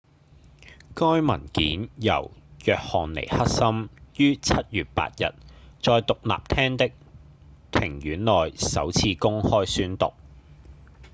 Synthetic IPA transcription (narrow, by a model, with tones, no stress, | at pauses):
kɔː˥jmɐ˨˩nkiː˨˥njɐ̰˨˩wjœː˨k̚hɔː˨nlḛ˨˩jhɐ˥k̚sɐ˥mjyː˥t͡sʰɐ˥t̚jyː˨t̚pa̰ː˧˨t̚jɐ̰˨t̚t͡sɔː˧jt̪ʊ˨k̚la̰ː˨p̚t̪ʰɛː˥ŋt̪ɪ˥k̚ | t̪ʰɪ˨˩ŋjyː˨˥nlɔː˨˩jsɐ̰˨˥wt͡sʰiː˧kʊ˥ŋhɔː˥jsyː˥nt̪ʊ̰˨k̚